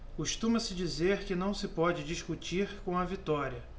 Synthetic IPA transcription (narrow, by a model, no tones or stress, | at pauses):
kuʃt̪ũmɐsɪd͡ʒizeɾkɪnɐ̃w̃sɪpɔd͡ʒɪd͡ʒiʃkut͡ʃiɾkõɐvit̪ɔɾiɐ